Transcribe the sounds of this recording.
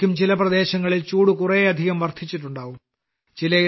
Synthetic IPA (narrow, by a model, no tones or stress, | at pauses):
umt͡ɕilɐprɐd̪e̞ːɕɐŋːɐɭilt͡ɕuːɽukureɐd̪ʱiɣɐmʋɐrt̪ʰit͡ɕːiʈːuɳɖaːʋum | t͡ɕilɐ